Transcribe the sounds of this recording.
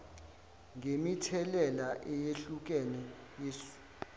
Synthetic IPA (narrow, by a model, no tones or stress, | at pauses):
ŋʱemitʰɛlɛlaʔɛjeɬuk̬ɛnɛ | jesu̥